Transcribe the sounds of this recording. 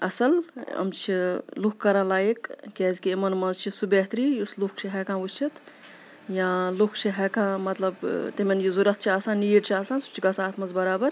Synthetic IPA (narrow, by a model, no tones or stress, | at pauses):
ɐsɐlɐ̰mt͡ʃʰilukkːɐɾãːlaːjikkɛːzkiemɐnmɐzt͡ʃʰisubeːɦt̪ɾijuslukʰt͡ʃʰiɦɐkãːut͡ʃʰit̪ | jãlukʰt͡ʃʰiɦɛkãmɐt̪lɐbt̪emenjizuɾɐt̪̚ʰt͡ʃʰiaːsaːnːijʈt͡ʃʰiaːsaːnsu̥t͡ʃʰikasaːt̪ʰmɐzbɐɾaːbɐɾ